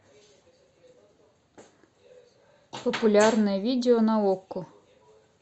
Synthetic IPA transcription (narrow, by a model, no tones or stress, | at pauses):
pɔpʊlʲɑrnɛʋʲidʲeɔnɐɔkʊ